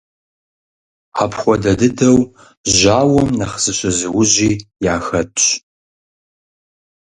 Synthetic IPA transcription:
ħapʰχʷɔdɐdɨdɐw | ʒaːwɐmnɐχz̥ɨɕʼɐzɨwʊʑiːjaːxɐtʼ

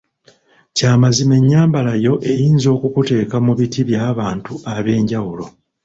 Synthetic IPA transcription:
caːmazime̞ɲːaːmbalajo̞ʔe̞jiːnzo̞ːkukute̞ːkamuβitiβjaːβaːntuaβe̞ːɲɟawulo̞

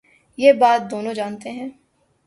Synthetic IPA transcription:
jeːbaːt̪̚d̪oːnõd͡ʒaːnt̪eɦɛ̃ː

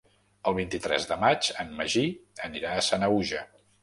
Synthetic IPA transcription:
əlˠβ̞int̪it̪ɾɛ̰zðəmat͡ʃənməʒiəniɾaːsanəuʒə

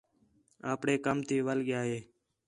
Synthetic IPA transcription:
aːpɳeːkəmt̪ʰiːʋəlɠɪjaːɦeː

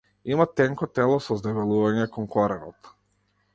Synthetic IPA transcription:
imat̪ɛŋkɔt̪ɛlˠɔsɔzd̪ɛvɛlˠuvaɲɛkɔnkɔɾɛnɔt̪

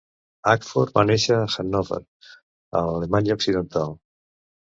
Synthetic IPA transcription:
akfoɾmaneʃaːxanɔva̰ɾ | a̰alemaɲaoksiðent̪alˠ

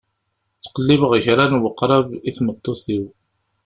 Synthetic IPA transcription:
t͡sːqəlːɪvəʁʝɾanwəqːɾˤɑviθmət̪ˤːoθiw

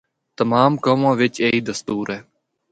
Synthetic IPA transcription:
t̪əmaːmkoːmãːʋɪt͡ʃeːiːd̪əst̪uːɾɦɛː

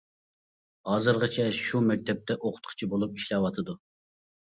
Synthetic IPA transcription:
hɑːzɨɾʁɨt͡ʃʰɛʃumɛk̚ʲt̪ʰɛp̚t̪ʰɛʔoqʰʊ̥t̪̚qʰɨ̥t͡ʃʰibolˠup̚iʃlɛwɑt̪ʰɨd̪u

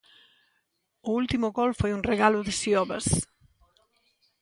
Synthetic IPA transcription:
uulˠt̪imuɣɔlfojunreɣaluðesiɔβəs

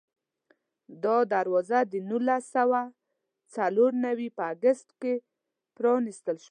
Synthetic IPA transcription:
d̪ɔd̪aɾwɔzad̪ənulasawa | t͡saloɾnawipəaɡəst̪ke | pɾɔnist̪əlʃ

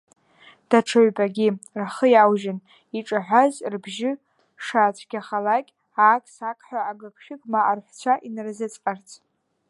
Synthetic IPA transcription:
d̥aʈ͡ʂʰɨɥbʼaɡʲiraχəjawʒɪn | iʈ͡ʂʼaħʷazrbʒɪ | ʂat͡ʃʷʰɡʲaχalakʲʼ | aːkʼsakʰʼħʷᶣaːɡakʰʃɪkʼmaʔːrħʷt͡sʷʰaʔinrzɨt͡sʼqʼart͡sʰʼ

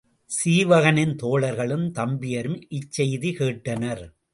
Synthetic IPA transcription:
siːʋɐɣɐnɪnt̪oːɭɐɾɣɐɭɯmt̪ɐmbɪjɐɾɯmɪt͡ʃːɐjðikeːʈːɐnɐɾ

